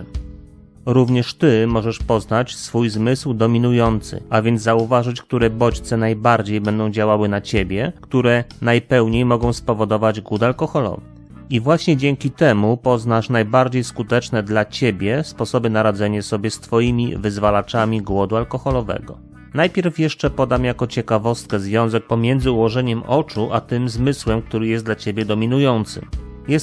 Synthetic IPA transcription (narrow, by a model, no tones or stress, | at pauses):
ɾuvɲɛʂt̪ɘmɔʐɛʂpɔznat͡ɕsfujzmɘswd̪ɔmʲinujɔnt̪sɘ̰avʲjɛnd̪zzauvaʐɘt͡ɕk̚t̪uɾɛbɔt͡ɕt̪sɛnajbaɾd͡ʑejbɛnd̪ɔ̃w̃d͡ʑawawɘnat͡ɕebʲjɛkt̪uɾɛnajpɛwɲejmɔɡɔ̃w̃spɔvɔd̪ɔvad͡ʑɡwut̪alkɔxɔlɔ̰vɛ̰ | ivwaɕɲɛd͡ʑɛŋkʲit̪ɛmupɔznaʂnajbaɾd͡ʑejskut̪ɛt͡ʂnɛd̪lat͡ɕebʲjɛspɔsɔbɘnaɾad̪zɛɲasɔbʲjɛst̪fɔjimʲḭvɘzvalat͡ʂamʲiɡwɔd̪ualkɔxɔlɔvɛ̰ɡɔ | najpʲjɛɾfjɛʂt͡ʂɛpɔd̪amjakɔt͡ɕɛkavɔst̪̚kɛzvʲjɔ̃w̃zɛk̚pɔmʲjɛnd̪zɘuwɔʐɛɲɛmʔɔt͡ʂuʔat̪ɘmzmɘswɛmk̚t̪uɾɘjɛsd̪lat͡ɕebʲjɛd̪ɔmʲinujɔnt̪sɘ̰mjɛs